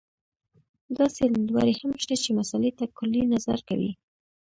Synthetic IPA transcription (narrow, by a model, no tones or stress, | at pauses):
d̪ɑselwa̰ɾehamʃt̪at͡ʃemasalet̪akʊlinaza̰ɾka̰wḭ